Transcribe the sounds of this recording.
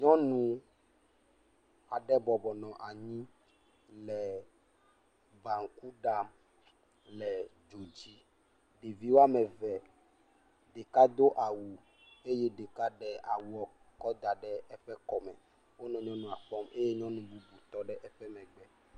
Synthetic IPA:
ɲɔ̃˦nũ˨ | a˨ɖɛ˦bɔ˨bɔ˨nɔ̃˨ʔa˨ɲĩ˦ | lɛ˨ | ba˨ŋ̩˨ku˦ɖa˨m | lɛ˨ | d͡ʒo˨d͡ʑi˦ | ɖe˨vi˦wo˦a˦mɛ̃˨vɛ˨ | ɖe˨ka˦d̪o˦ʔa˨wu˨ | e˦je˦ɖe˨ka˦ɖɛ˦a̰˨wu˦ɔ˨ | kɔ˦d̪a˨ɖɛ˦ɛ˦ɸɛ˦kɔ˨mɛ̰̃˨ | wo˦nɔ̃˨ɲɔ̃˦nũ˨a˨ɸɔ˦mʔe˦je˦ɲɔ̃˦nũ˨bu˦bu˨t̪ɔ˦ɖɛ˦ʔɛ˦ɸɛ˦mɛ̃˨ɡ͡bɛ˨

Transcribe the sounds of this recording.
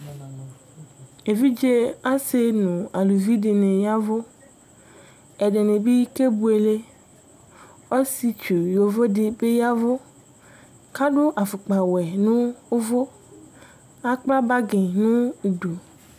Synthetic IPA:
e˨vi˦d͡ʒe˦a˦se˦nũ˨a˨lu˨vi˦ɖe˨nẽ˨ja˦vo˦ | ɛ˨ɖe˨nẽ˨bi˦ke˦bu˦e˨le˦ | ɔ˦si˦t͡ʃu˨jo˨vo˦de˨be˦ja˦vo˦ | ka˦ɖo˦ʔa˨fo˨k͡pa˨wɛ˨nũ˦o˦vo˦ | a˦k͡pla˦ba˦ɡẽ˨nũ˦˨du˨

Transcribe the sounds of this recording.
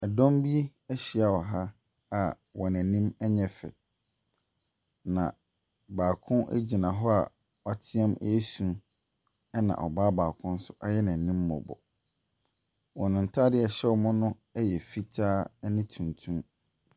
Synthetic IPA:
ɛ˨dɔ̃˦mbi˦ɛ˦ɕi˨a˨wɔ˨ɦa˦ | a˨ | wɔ˨næ̃˨nĩ˦mɛ˦ɲɛ˨fɛ̰˨ | nã̰˨ | baː˨kʰʊ̃˦nʔæ̰˦d͡ʑi˨nã˨ɦɔ˦a˨ | ɔ˨tʰɪ˦ɛ̃˦mɛ˦sũ˨ | ɛ˦nã̰˨ʔɔ̰˨baː˦baː˨kʰʊ̃˦n̩˦sʊ˦ʔa˦jɛ˦nã˨n˨nĩ˦mːɔ̰̃˨bɔ̰˨ | wɔ̃˨nʊ̃˨n̩˨tʰaː˦dɪ˦ɛ˨ɕɛ˦wɔ˦mʊ̃˦nʊ̃˦ | ɛ˦jɛ˨fi˦tʰaː˦nɪ̃˦tʰũ˨ntʰũ˦m

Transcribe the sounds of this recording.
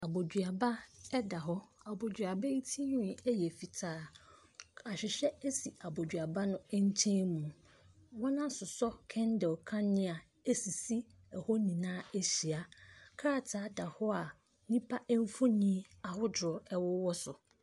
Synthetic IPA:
a˨bo˨dɥa˨ba˦ɛ˦da˨ɦɔ˦a˨bo˨d͡ʑɥa˨ba˦i˦tʰi˦ɲũ˦˨ɛ˦jɛ˨fi˨tʰaː˦ | a˨ɕᶣɪ˨ɕᶣɛ˦e˦si˨a˨bo˨d͡ʑᶣɥa˨ba˦nʊ̃˦ɲ̩˦tʰẽ˦mũ˨ | wɔ˦nã˦sʊ˨sɔ˦kʰɛ̃˦ndɛ˨ɔ˨kʰã˦nɪ̃˦a˨ | e˦si˨si˦ | ɛ˨hɔ˦nĩ˨nãː˦e˦ɕi˨a˦kʰa˦a˦˨tʰaː˨˦da˨hɔ˦a˨ | nĩ˦pʰa˦ʔɛ˦m˦fʊ˦nĩ˦ | a˨hʊ˦dɔ˨ɛ˦wɔ˦wɔ˦sʊ˨

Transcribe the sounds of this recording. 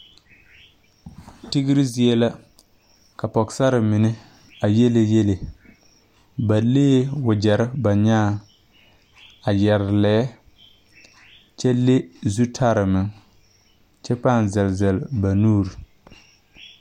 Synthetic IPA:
tɪ˦ɡɪ˦ɾi˦zi˦ɛ˦la˦ | ka˨pɔ˨ksa˦ɾɪ˨mɪ˨nɪ˦ | a˨je˦le˨je˦le˨ | ba˨leː˦wʊ˨d͡ʒɛ˨ɾɪ˦ba˨ɲaː˦ | a˨jɛ˨ɾɪ˨lɛ˦ | t͡ʃɛ˦le˦zu˦tʰa˦ɾɪ˨mɪ˨ŋ | t͡ʃɛ˦pa˦˨nzɛ˨lzɛ˨lba˨nuː˦ɾi˨

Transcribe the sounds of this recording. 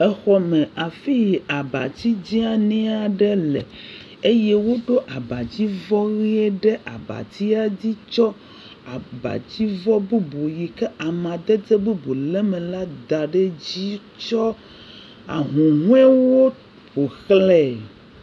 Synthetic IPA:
ɛ˦xɔ˦mɛ̃˨a˨fi˦˨a˨ba̰˨t̪i˦d͡ʑi˦a˦nɛ̃˦a˨ɖɛ˦lɛ˨ | e˦jɛ˦wo˦ɖo˦ʔa˨ba˨d͡ʑi˦vɔ˦ɣi˦ɛ˦ɖɛ˦ʔa̰˨ba̰˨t̪i˦a˦d͡ʑi˦t͡ʃɔ˦ | a˨ba̰˨d͡ʑi˦vɔ˦bu˦bo˨ji˨kɛ˦ʔa˨mã˨d̪ɛ˦d͡ze˦bu˦bu˨lɛ˦mɛ̃˨la˦d̪a˨ɖe˦d͡ʑi˦ | t͡ʃɔ˦ | a̰˨ɦũ˨ɦũ˦ɛ˦wo˦ | ɸo˨xlɛ˦˨

